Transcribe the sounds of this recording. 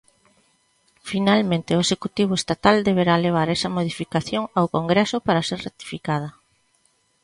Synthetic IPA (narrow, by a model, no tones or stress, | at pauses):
finalmẽnt̪ɪoesekut̪iβ̞ʊest̪at̪ald̪eβ̞eɾaleβ̞aɾɛsɐmoðifikaθjoŋawkoŋɡɾɛsʊpaɾaseɾrat̪i̥fikað̞ɐ